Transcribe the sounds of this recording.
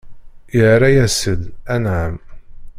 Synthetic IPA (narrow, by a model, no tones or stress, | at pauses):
jəɾajæsəd̪ænʕəm